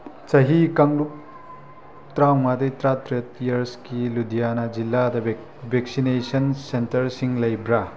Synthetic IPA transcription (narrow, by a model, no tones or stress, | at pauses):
t͡ʃɐɦikaŋluk̚ | tɾawmadɐjtɾatɾetijɐɾskiludijanɐd͡ʒilːadɐ | bʱeksinesɐnsentɐɾsiŋlɐjbɾa